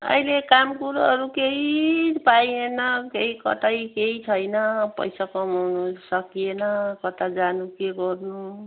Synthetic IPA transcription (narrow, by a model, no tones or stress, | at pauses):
ʌ̰ilekamkuɾʌɾukeɦipajenʌkeɦikʌ̰t̪ajkeɦit͡sʰʌjnʌpʌ̰jsakʌmawnusʌkienʌkʌt̪ad͡zanukeɡʌrnu